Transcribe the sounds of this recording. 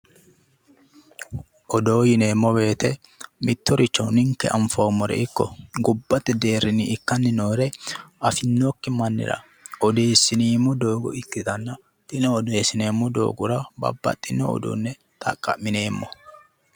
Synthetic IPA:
ʔɔd̪o̞ːjɪne̞ːmːɔbe̞ːt̪ɛ | mɪt̪ːɔɾɪt͡ʃːɐwnɪŋkːɛʔɐɱfɐwmɔɾɛ̰ɪkːɔ̰ɡʊbːɐt̪ʼːɪd̪e̞ːɾːɪnːɪɪkːɐnːɪno̞ːɾɛɐfɪnːokːɪmɐnːɪ̰ɾɐ̰ | ɔd̪eːsɪniːmːɔd̪o̞ːɡɔ̰ɪkːɪt̪ɐnːɐ | t̪ʼɪnɔːd̪sɪne̞ːmːʊd̪o̰ːɡʊɾɐbɐ̰bːɐ̰t̪ʼːɪnɔɔ̰d̪ṵnːɛ | t̪ʼɐ̰kʼːɐ̰mɪne̞ːmːɔ

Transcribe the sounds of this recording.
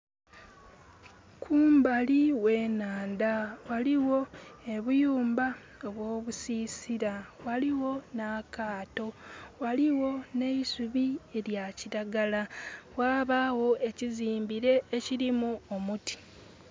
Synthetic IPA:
kʰuːmbaliwe̞ːnaːndawaliwo̞e̞βujuːmba | oβwo̞ːβusiːsiɾawaliwo̞nakaːto̞waliwo̞ne̞isuβie̞ɾjaciɾaɡalawaːβawo̞ʔe̞ciziːmbiɾe̞ːciɾimuomuti̥

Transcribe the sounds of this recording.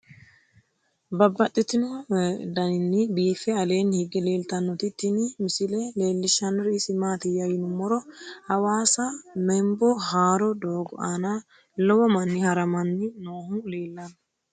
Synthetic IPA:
bɐbːɐt̪ʼːɪt̪ɪnɔd̪ɐnɪnːɪbiːfɛɐle̞ːnhɪɡːɛle̞ːlt̪ɐnːɔt̪ɪt̪ːɪnɪmɪsɪlɛle̞ːlːɪʃːɐnɔɾɪɪsɪmaːt̪ɪjɐjɪnʊmːɔɾɔhɐwaːsɐmɛmbɔhaːɾɔd̪oːɡɔʔanɐ | lɔwɔmɐnːɪhɐɾɐmɐnːɪnoːhʊleːlːɐn

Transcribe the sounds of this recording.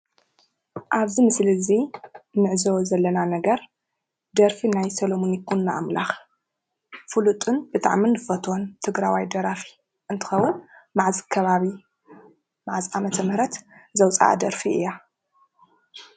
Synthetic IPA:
ʔaβzimɨslɨzinɨʕzozɐlːɐnanɐɡɐɾ | d̪ɐɾfinajsɐlomonikʰunːaʔa̰mla̰x | fɨlut̪ʼɨnb̥ɨt̪ʼa̰ʕminɨfɐt̪ʰont̪ʰɨɡɾawajd̪ɐɾafi̥ | ʔɨnt̪ʰɨ̥xɐwːʊnmaʕzikʰɐβaβi | maʕziamɐt̪ʰɐmhɾɐt̪zɐwt͡sʼa̰ʔa̰d̪ɐɾfiʔɨ̰ja

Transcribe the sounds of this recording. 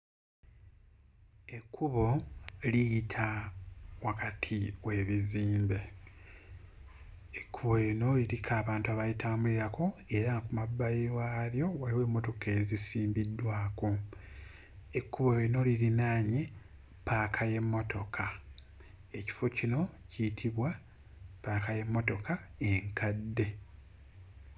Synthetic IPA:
e̞kʰːuβo̞lijitʰa | wakatʰiwe̞ːβiziːmbe̞ | ekʰːuβo̞jeno̞liɾikʰaːβaːntaβajitʰamuiɾako̞e̞ɾaŋɡakumabːajiwaljo̞waliwe̞ːmːo̞to̞kezisiːmbidːwaːko | ekːuβo̞jeno̞liɾinaːɲe̞ | paːkʰaje̞mːo̞to̞kʰa | e̞ci̥fo̞cino̞cijtʰiβwa | paːkaje̞mːo̞to̞kʰae̞ŋkʰadːe̞

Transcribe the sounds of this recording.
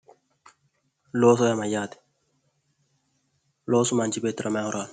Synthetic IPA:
lɔːsɔjamajat̪ɪ̥ | lɔsumand͡ʒibet̪ɾʔamaŋɔɾal

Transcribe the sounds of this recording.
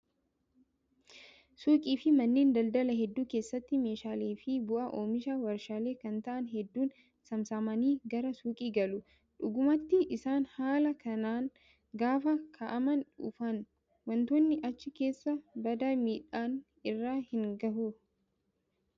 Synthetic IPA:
suːkʼiːfɪmɐnːe̞ːnd̪ɐld̪ɐlɐɦɛd̪ːuːkeːsːɐt̪ːɪme̞ːʃaːleːfɪbʊʔɐʔoːmɪʃɐwɐɾʃaːle̞ːkɐnt̪ɐʔɐnɦɛd̪ːuːn | sɐmsɐmɐniːɡɐɾɐsuːkʼiːɡɐlʊ | ᶑʊɡʊmɐt̪ːɪʔɪsaːnhaːlɐkɐnaːn | ɡaːfɐkʰɐʔɐmɐnᶑʊ̰fɐn | wɐnt̪oːnːɪʔɐt͡ʃːɪke̞ːsːɐbɐd̪aːmiːᶑaːn | ɪrːaːhɪŋɡɐɦu

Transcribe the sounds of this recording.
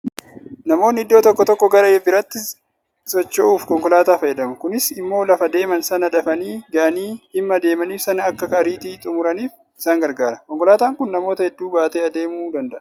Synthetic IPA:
nɐmo̞ːnːɪɪd̪ːo̞ːt̪ɔkːɔt̪ɔkːɔɡɐɾɐɛbɪɾɐt̪ːɪ | sɔt͡ʃːoʔuːfkɔŋkɔlaːt̪aːfɐjɛd̪ɐmɐkʊnɪsɪmːo̞ːlɐfɐd̪e̞ːmɐnsɐnɐᶑ̪ɐfɐniːɡɐʔɐniːɪmːɐd̪e̞ːmɐniːfsɐnɐkːɐkɐɐɾiːt̪iːt̪ʼʊmʊɾɐniːf | ɪsaːŋɡɐɾɡaːɾɐkɔŋkɔlaːt̪aːŋkʊnnɐmo̞ːt̪ɐhɛd̪ːuːbaːt̪eːɐd̪e̞ːmuːd̪ɐnd̪ɐʔɐ̥

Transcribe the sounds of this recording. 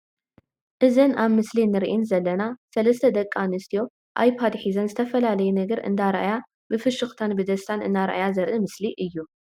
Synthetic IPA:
ʔɨzɨnaβmɨslinːɨɾiʔinzɐlːɐnasɐlɐst̪ʰɐd̪ɐkʼːanɨst̪ʰijo̞ | ʔa̰jpʰad̪ħizɐnzɨt̪ʰɐfɐlalɐjunɐɡɐɾɨ̰nd̪aɾʔa̰ja | bɨfɨʃɨxt̪ʰanbɨd̪ɐst̪ʰanɨnːaɾʔa̰jazɐɾʔɨmɨsliʔɨjːu

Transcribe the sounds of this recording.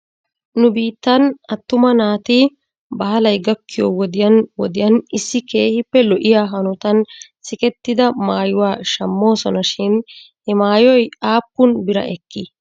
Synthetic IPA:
nʊbiːt̪ːɐnɐt̪ːʊmɐnaːt̪ɪ | bɐhɐlɐjɡɐkːɪjowɔd̪ɪjɐnwɔd̪ɪjɐnɪsːɪke̞ːhɪpːɛlɔʔɪjaːɦɐnʊt̪ɐnsɪkɛt̪ːɪd̪ɐmaːjʊwaːʃɐmːo̞ːsɔnɐʃɪn | hɛmaːjɔjaːpːʊnbɪɾɐ̰ʔɛkːɪ

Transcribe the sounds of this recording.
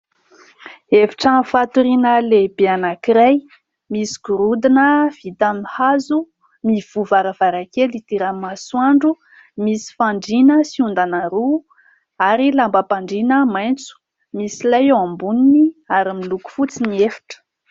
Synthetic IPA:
eviʈ͡ʂafat̪uɾinəlebeanakiɾaj | misi̥ɡ̥uɾud̪inəv̥it̪amihazu | miv̥uvaɾəv̥aɾakelit̪iɾamaswaɳɖ͡ʐu | misi̥faɳɖ͡ʐinəsiund̪anaɾu | aɾilambapaɳɖ͡ʐinəmajnt͡su̥ | misilajeambuniniaɾimiluku̥fut͡siniefi̥ʈ͡ʂə̥

